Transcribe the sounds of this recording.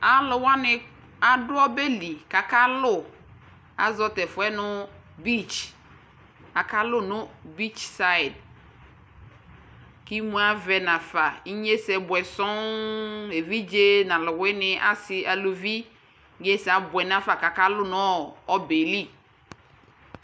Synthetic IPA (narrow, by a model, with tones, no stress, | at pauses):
a˨lʊ˨wa˦nɪ˨ | a˨dʊ˦ɔ˦be˦li˨ka˨ka˦lʊ˦˨ | a̰˨zɔ˦tɛ˨fʊ˨˦ɛ˦nʊ˦bi˦˨t͡ʃ | a˨ka˦lʊ˦nʊ˦bi˦t͡ʃsa˦˨d | ki˦mũ˦a˦vɛ˨nã˨fa˨i˦ɲe˦sɛ˨bwɛ˨sɔ˦ | e˨vi˦d͡ʒe˦nã˨lʊ˨wɛ˦nɪ˨ʔa˦sɪ˦ʔa˨lo˨vi˦ | ɡe˦sa˨bʊ˨ɛ˨n˦a˦fa˨ka˨ka˦lʊ˦n˨˦˨ɔ˨be˨li˦